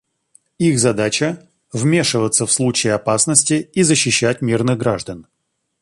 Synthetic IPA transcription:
ixzɐd̪at͡ɕə | vmʲe̞ʂɨvət̪səfslˠut͡ɕɪjɪɐpasnəsʲtʲɪizəɕːɪɕːætʲmʲirnɨɣɡɾaʐd̪ən

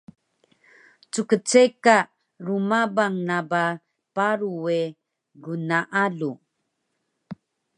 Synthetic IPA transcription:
t͡sukət͡seka | ɾumabaŋnaba | paɾue | ɡunaʔalu

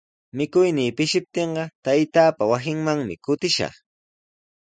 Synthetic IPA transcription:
mɪkʊjniːpɪʃɪp̚t̪eɴɢɑt̪ajt̪aːpawas̬ɪŋmaŋmɪkʊt̪ɪʃɑ̰χ

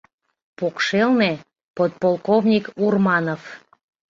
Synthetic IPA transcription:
pokʃelne | pot̪̚polˠkovnʲikurmɑnof

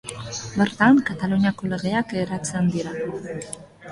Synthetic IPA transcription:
be̞ɾt̪aŋkat̪aluɲiako̞le̞ɣe̞akeɾat͡send̪iɾa

